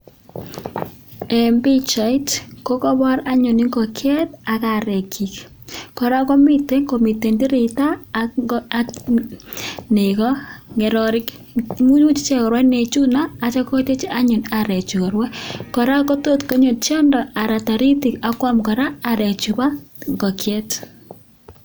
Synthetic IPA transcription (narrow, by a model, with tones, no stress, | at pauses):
ɛ˨mbi˦t͡ʃa˨i˦tko˦kɔ˦bɔ˦ɾa˦ɲo˨ni˦ŋɡɔ˨kʰɛ˦ta˨ka˨ɾe˨kʰi˨k | kɔ˨ɾa˦ko˦mɪ˦te˦ŋko˨mi˨te˨ndi˦ɾi˨ta˦ | ne˨kɔ˦ŋɛ˨ɾɔɾɪ˦k | mu˦ɲu˦t͡ʃi˦t͡ʃe˦kɔ˨ɾwa˦ne˨t͡ʃu˦naː˦˨t͡ʃa˦ko˦te˦t͡ʃi˦a˦ɲʊ˨naɾɛ˨t͡ʃu˨kɔ˨ɾwɛ˦kɔ˨ɾa˦kɔ˦to˦tko˦ɲo˨t͡ʃɔ˦ndɔ˨ʔa˨ɾa˨ta˨ɾi˦ti˨ka˦kwa˦mkɔ˨ɾaː˦˨ɾɛ˨t͡ʃu˨ba˦ŋɡɔ˨kjɛ˦t